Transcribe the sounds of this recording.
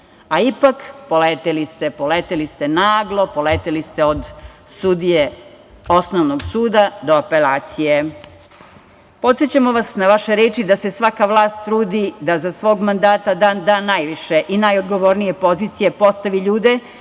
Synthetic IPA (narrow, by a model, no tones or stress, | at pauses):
aipakpo̞leːt̪elist̪e̞poleːt̪elist̪e̞naːɡlˠo̞po̞leːt̪elist̪e̞od̪ | sud̪ije̞ | o̞snoʋnoɡsuːd̪ad̪o̞ape̞laːt̪sije | po̞t̪set͡ɕamoʋasnaʋaʃeɾeːt͡ʃid̪ase̞sʋakaʋlˠaːst̪ːɾuːd̪id̪azasʋo̞ːɡmand̪aːt̪ad̪aːnd̪aːnajʋiʃe̞ʔinajod̪ɡo̞ʋo̞ːɾnije̞po̞ziːt̪sije̞po̞st̪aʋiʎuːd̪e̞